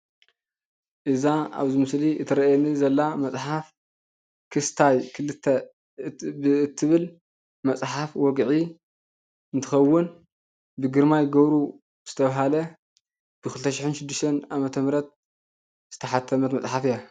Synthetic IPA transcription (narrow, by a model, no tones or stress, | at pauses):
ʔɨzaa̰βzimɨsliʔɨt̪ʰɐɾɐjɛnizɐlːamɐt͡sʼħaf | kʰɨst̪ʰajkʰɨlɨt̪ʰːɐ | ɨt̪ʰːɨβɨl | mɐt͡sʼħafwɔɡʕi | ɨnt̪ʰɨxɐwːɨn | bɨɡɨɾmajɡɐβɾu | z̥ɨ̥t̪ʰɐβaɦalɐ | b̥ɨkʰɨlɨt̪ʰɐʃɪħɪnʃɪd̪ːɨʃt̪ʰɐnamɐt̪ʰɐmɾɐt̪̚ | z̥ɨt̪ʰɐħat̪ʰːɐmɐt̪mɐt͡sʼħafija